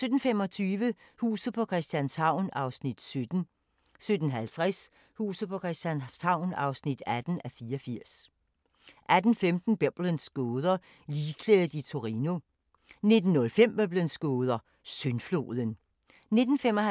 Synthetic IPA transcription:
sød̥n̩femɒ̽t͡sʰyːʋə | hṵːsð̩ˠpʰɒ̽kʰʁɛsd̥jænshɑ̈ʊ̰nɑ̈ʊsnid̥sød̥n̩ | sød̥n̩ɦælt͡sʰʁɛs | huːsð̩ˠpʰɒ̽kʰʁɛsd̥jænshɑ̈ʊ̰nɑ̈ʊsnid̥æd̥n̩æfiːɐɒfiɐ̰s | ʔæd̥n̩femd̥n̩b̥eb̥lənsɡ̥oːð̞ˠɐ | liːkʰleːðð̩ˠit͡sʰo̝ʁino̝ | ne̝d̥n̩ːɔ̽lfem̰b̥øb̥lənsɡ̥oːð̞ˠɐ | sønflo̝̰ːðˠən | ne̝d̥n̩fem̰ɒh

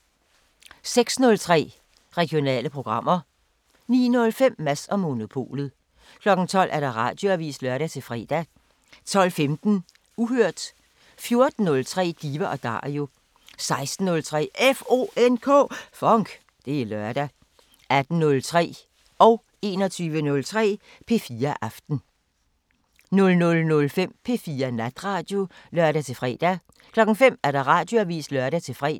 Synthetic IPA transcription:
seɡ̥snɔ̽lt͡sʰʁɛ̰ː | ʁɛɡ̥jo̝nɛ̰ːləpʰʁoɡ̥ʁɑ̈m̰ɐ | nḭːnɔ̽lfem̰ːæsɒ̽mːo̝nopʰo̝̰ːlð̩ˠ | kʰlɒ̽ɡ̥n̩t͡sʰɒ̽l̰ʔæɐɾ̥ɑ̈ʁɑ̈ːd̥jo̝æʋḭːslɶɐɾæt͡sʰe̝lfʁɛ̰ːd̥æ | t͡sʰɒ̽l̰femd̥n̩ | uɦøɐ̰d̥ | fjo̝ɐd̥n̩ːɔ̽lt͡sʰʁɛ̰ːd̥iːʋɐʔɒ̽d̥ɑ̰̈ːjo̝ | sɑ̈ɪsd̥n̩ːɔ̽lt͡sʰʁɛ̰ːefo̝̰enkʰɔ̰̽ːfɒŋɡ̥ | d̥e̝ælɶɐ̰d̥æ | æd̥n̩nɔ̽lt͡sʰʁɛ̰ː | ʔɒ̽ʊ | e̝̰ːnɒt͡sʰyːʋənɔ̽lt͡sʰʁɛ̰ː | pʰe̝fiːɐʔɑfd̥n̩ | nɔ̽lnɔ̽lnɔ̽lfem̰pʰe̝fiːɐnæd̥ʁɑ̈ːd̥jo̝lɶɐ̰ɾ̥æt͡sʰe̝fʁɛ̰ːd̥æ | kʰlɒ̽ɡ̥n̩fem̰æɐɾ̥ɑ̈ʁɑ̈ːd̥jo̝æʋḭːslœɐɾæt͡sʰe̝fʁɛ̰ː

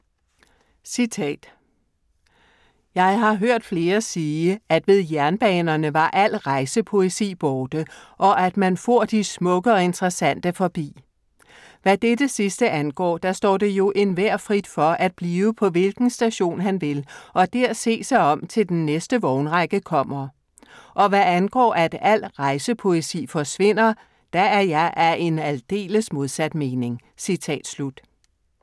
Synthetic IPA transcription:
sit͡sʰɛ̰ːd̥ | jɑ̈ɪɦɑ̈ɦøɐ̰d̥fle̝ːɐsiːəæd̥ʋe̝ð̞ˠjæɐnb̥ɛ̰ːnɐnəʋɑ̈ʔæl̰ʁɑ̈ɪsəpʰo̝esḭːb̥ɒːd̥əʔɒ̽ʔæd̥mænfo̝ɐ̰d̥ismɔ̽ɡ̥əɒ̽e̝nd̥ʁɐsæn̰d̥əfɒ̽b̥ḭː | ʋæd̥ed̥əsisd̥əʔænɡ̥ɒ̰ːd̥ɑsd̥ɒ̰ːd̥e̝jo̝ʔe̝nʋæɐ̰fʁid̥fɒ̽ʔæd̥̚b̥liːʊəpʰɒ̽ʋe̝lɡ̥n̩sd̥æɕo̝̰ːnɦænʋe̝lʔɒ̽d̥æɐse̝̰ːsɑ̈ɪɒ̽m̰t͡sʰe̝ld̥enːesd̥əʋɒʊnʁɑ̈ɡ̥əkʰɒ̽m̰ɐ | ʔɒ̽ʋæænɡ̥ɒ̰ːʔæd̥æl̰ʁɑ̈ɪsəpʰo̝e̝sḭːfɒ̽sʋe̝n̰ɐ | d̥ææɐjɑ̈ɪʔæe̝næld̥e̝̰ːləsmo̝ð̞ˠsæd̥me̝ːne̝ŋ | sit͡sʰɛ̰ːd̥slud̥

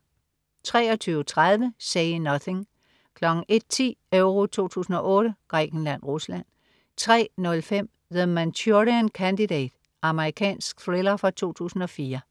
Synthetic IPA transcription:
t͡sʰʁɛːɒ̽t͡sʰyːʊt͡sʰʁaðˠʋəseɪnɒθe̝ŋ | kʰlɒ̽ɡ̥n̩e̝d̥̚t͡sʰḭːœʊʁo̝t͡sʰo̝̰ːt͡sʰṵːsn̩ɒ̽ʔɔ̽ːɾ̥əɡ̥ʁɛ̰ɡ̥n̩læn̰ʁuslæn̰ | t͡sʰʁɛ̰ːnɔ̽lfem̰ | ʋəðmænt͡sʰoʁiænkʰænd̥idɛ̰ːd̥ | ɑ̈məʁikʰɛ̰ːnsɡ̥̚θʁelɐfɑt͡sʰo̝̰ːt͡sʰṵːsn̩ɒ̽fiːɐ

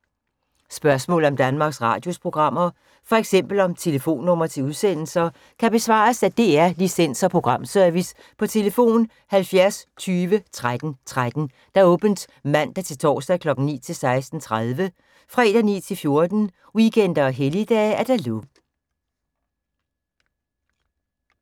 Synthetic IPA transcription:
sb̥ɶɐsmɔ̰̽ːl̩ɒ̽md̥ænmɑ̈ːɡ̥sʁɑ̈ːd̥jo̝spʰʁo̝ɡ̥ʁɑ̈m̰ɐ | fɒ̽eɡ̥sem̰b̥l̩ɒ̽mt͡sʰe̝ləfo̝̰ːnːɔ̽m̰ɐt͡sʰe̝uðˠsen̰l̩sɐ | kʰæb̥e̝sʋɑ̰̈ːsæd̥e̝æɐlisen̰sɐpʰʁo̝ɡ̥ʁɑ̈m̰sœɐʋis | pʰɒ̽t͡sʰe̝ləfo̝̰ːn | hælfjæɐst͡sʰyːʋət͡sʰʁad̥n̩t͡sʰʁad̥n̩ | d̥ɑ̈ɔ̽ːb̥n̩d̥ | mæn̰d̥æt͡sʰe̝lt͡sʰɒ̰ːsd̥ækʰlɒ̽ɡ̥n̩nḭːt͡sʰe̝lsɑ̈ɪsd̥n̩t͡sʰʁað̞ˠʋə | fʁɛ̰ːd̥ænḭːt͡sʰe̝lfjo̝ɐd̥n̩ | wikʰen̰d̥ɐːɦelid̥ɛ̰ːæɐd̥ælu

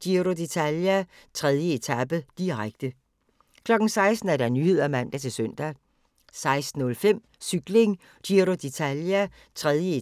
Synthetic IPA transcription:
d̥iɾo̝d̥e̝t͡sʰæljæ | t͡sʰʁɛð̞ˠjəe̝t͡sʰæb̥əd̥iʁaɡ̥d̥ə | kʰlɒ̽ɡ̥n̩sɑ̈ɪsd̥n̩æɐɾænyhe̝ð̞̰ˠæmæn̰d̥æt͡sʰe̝lsœn̰d̥æ | sɑ̈ɪsd̥n̩ːɔ̽lfem̰ | syɡ̥le̝ŋ | d̥iɾo̝d̥e̝t͡sʰæljæ | t͡sʰʁɛðˠjəe

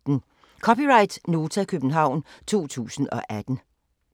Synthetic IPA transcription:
n̩ | kʰɒ̽piʁɑ̈ɪd̥no̝ːt͡sʰækʰøb̥n̩ɦɑ̈ʊ̰nt͡sʰo̝̰ːt͡sʰṵːsn̩ɒ̽ʔæd̥n̩

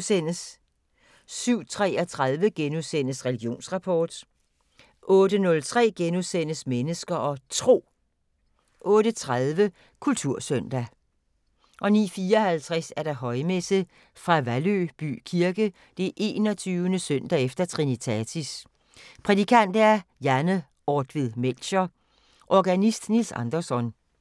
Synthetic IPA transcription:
sen̰əs | syʊ̰t͡sʰʁɛ̰ːɒt͡sʰʁaðˠʋəɡ̥enuðˠsen̰əsʁɛliɡ̥jo̝̰ːnsʁɑ̈pʰɒ̰ːd̥ | ʔɔ̽ːdənɔ̽lt͡sʰʁɛ̰ːɡ̥enuðˠsen̰əsmenəsɡ̥ɐʔɒ̽t͡sʰʁo̝̰ː | ʔɔ̽ːɾət͡sʰʁaðˠʋə | kʰult͡sʰuɐ̰søn̰d̥æ | ʔɒ̽nḭːfiːɒ̽hælt͡sʰʁɛsæɐɾ̥ɑ̈ɦɒ̽ɪmesə | fʁɑ̈ʋælø̰b̥y̰ːkʰiɐɡ̥ə | d̥e̝ʔe̝̰ːnɒt͡sʰyːʊənəsøn̰d̥æefd̥ɐt͡sʰʁinit͡sʰæt͡sʰis | pʰʁɛd̥ikʰæn̰d̥æɐjænə | ʔɒːd̥ʋiðˠmelɕɐ | ʔɒɡ̥ænisd̥nilsɑ̰̈nd̥ɐsɒ̽n

